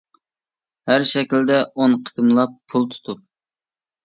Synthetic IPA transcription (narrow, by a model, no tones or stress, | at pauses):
hæɾʃɛkʲild̪ɛʔonqʰə̥t̪ʰɨmlˠɑpʰːulˠt̪ʰu̥t̪ʰu